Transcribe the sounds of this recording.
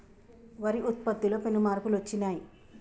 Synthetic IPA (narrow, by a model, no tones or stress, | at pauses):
ʋɐɾiʔut̪̚pɐd̪ːulopenumaːɾpulʋɐt͡ʃːinaːji